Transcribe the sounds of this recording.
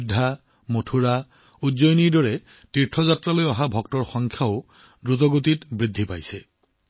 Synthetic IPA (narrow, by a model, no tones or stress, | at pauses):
dʱːa | motʰuɹa | uzojniɹdɔɹɛ | tiɹtʰːɔzatɹalojɔɦabʱɔk̚tɔɹxɔŋkʰjaʊ | dɹut̬ɔɡot̬itbɹidʱːipajsɛ